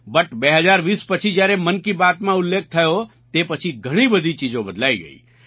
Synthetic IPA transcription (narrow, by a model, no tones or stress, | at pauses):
bəʈbeɦəzaɾʋiːspət͡ʃʰid͡ʒjaːɾemənkibat̪mãʊlːeːk̚ʰt̪ʰəjo | t̪epət͡ʃʰiɡʱəɽ̃ibəd̪ʱit͡ʃid͡ʒõbəd̪laːiɡə̰ḭː